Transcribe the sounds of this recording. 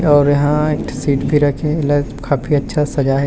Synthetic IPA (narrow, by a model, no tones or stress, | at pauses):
ɔːɾjɐɦãeksiːʈbʱiɾɐkʰẽɪla | kaːpʰiɐtːʃʰasɐd͡ʒaɦɛ